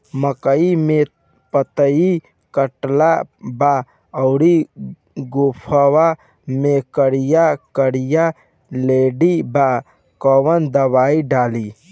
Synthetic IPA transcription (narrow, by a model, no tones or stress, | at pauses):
məkəime | pət̪əi | kəʈlaba | ɐʊɾi | ɡopʰəwa | mẽkəɾijakəɽija | leːɖiba | kɔwənd̪əbaːiɖaːli